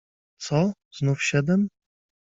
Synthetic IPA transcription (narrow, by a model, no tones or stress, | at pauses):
t̪sɔ | z̥nufɕɛd̪ɛm